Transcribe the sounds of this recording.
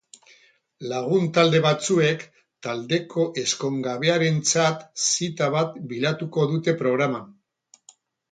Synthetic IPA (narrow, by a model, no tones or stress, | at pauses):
laɣ̞unt̪ald̪e̞βat͡sue̞k | t̪ald̪e̞kʰo̞ʔe̞sko̞ŋɡaβe̞aɾe̞nt͡sat̪sit̪aβat̪bilat̪uko̞ðut̪e̞pɾo̞ɣ̞ɾaman